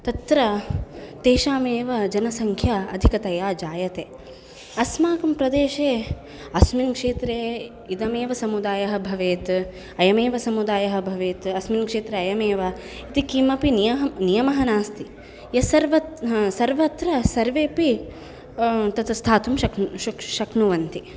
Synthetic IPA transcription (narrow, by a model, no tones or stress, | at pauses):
t̪ɐt̪ɾɐt̪eːʃaːmeːʋɐd͡ʒɐnɐsɐŋkʰjaɐd̪ʱikɐt̪ɐjaːd͡ʒaːjɐt̪eː | ɐsmaːkɐmpɾɐd̪eːʃeː | ɐsminkʂeːt̪ɾeː | id̪ɐmeːʋɐsɐmud̪aːjɐɦɐ̆bʱɐʋeːt̪ | ɐjɐmeːʋɐsɐmud̪aːjɐɦɐ̆bʱɐʋeːt̪ɐsminkʂeːt̪ɾeɐjɐmeːʋɐ | it̪ikimɐpinijɐɦɐnijɐmɐɦɐnaːst̪i | jɐsɐɾʋɐsɐɾʋɐt̪ɾɐsɐɾʋeːpi | t̪ɐt̪ɐst̪ʰaːt̪umʃɐkʃukʃɐknuʋɐnt̪i